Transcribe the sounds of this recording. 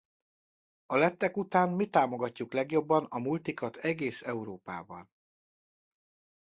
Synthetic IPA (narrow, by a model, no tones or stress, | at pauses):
ɒlɛt̪ːɛkut̪aːnmit̪aːmo̞ɡɒcːuklɛɡjo̞bːɒnɒmult̪ikɒt̪ɛɡeːsɛuɾoːpa̰ːbɒ̰n